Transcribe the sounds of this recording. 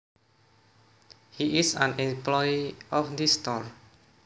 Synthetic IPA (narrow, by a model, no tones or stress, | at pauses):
hiʔisãnimplɔjiɔfd̪ist̪ɔr